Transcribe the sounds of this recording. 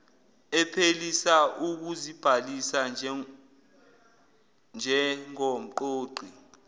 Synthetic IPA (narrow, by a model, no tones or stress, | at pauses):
ɛpʰelisaʔuk̬uzib̥ʱalisa | nd͡ʒʱɛŋom̩ǃoːɡ͡ǃʱi